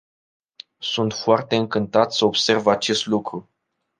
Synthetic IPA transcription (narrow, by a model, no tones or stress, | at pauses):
sunt̪foart̪e̞ɨŋkɨnt̪at̪səobse̞rvat͡ʃe̞st̪lukɾu